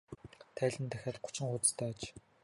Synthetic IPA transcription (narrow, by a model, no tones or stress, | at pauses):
t̪ʰæːɮʲɘ̆nt̪ʰæxʲaːt̪̚ɢʊ̥t͡ɕɪ̆ŋχʊt͡st̪ʰæːt͡ɕ